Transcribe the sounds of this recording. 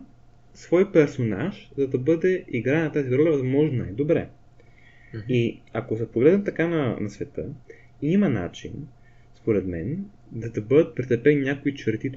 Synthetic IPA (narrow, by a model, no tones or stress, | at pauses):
svɔjpɛɾsona̰ʃzɐd̪ɐbɤd̪ɛiɡɾanɐt̪aziɡɾɔlʲɐvɐzmɔʒnona̰jd̪obɾɛ̰ | iɐkosɛpoɡlɛd̪nɛmt̪ɐkanɐnɐsvɛt̪ɤ̰ | imɐna̰t͡ʃḭn | spoɾɛt̪mɛ̰n | d̪ɐd̪ɐbɤd̪ət̪̚pɾit̪ɛpɛnːʲjakoit͡ʃɛɾt̪it̪